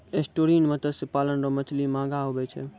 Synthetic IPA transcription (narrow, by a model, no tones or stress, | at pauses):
esʈoɾiːnmət̪əsɪpaːlənɾɔmət͡ʃʰlimãːɡaɦobet͡ʃʰḛ